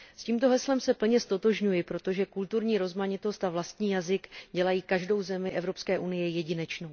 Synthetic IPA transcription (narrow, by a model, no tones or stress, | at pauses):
sciːmt̪o̞ɦɛslɛmsɛpl̩ɲɛst̪o̞t̪o̞ʒɲujɪpɾo̞t̪o̞ʒɛkult̪uɾɲiːɾo̞zmaɲɪt̪o̞st̪avlast̪ɲiːjazɪkɟɛlajiːkaʒdo̞wzɛmɪʔɛvɾo̞pskɛːʔunɪjɛjɛɟɪnɛt͡ʃno̞w